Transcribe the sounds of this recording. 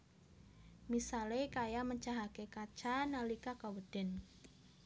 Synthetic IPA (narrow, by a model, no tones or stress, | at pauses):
misalekajaməɲt͡ʃaɦakekat͡ʃanalikakawəd̥ɛ̤n